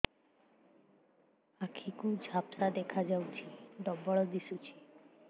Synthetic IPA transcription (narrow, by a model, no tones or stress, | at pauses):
akʰikud͡ʒʱapsad̪ekʰad͡ʒawt͡ʃʰid̪ɔbɔɭɔd̪isut͡ʃʰi̥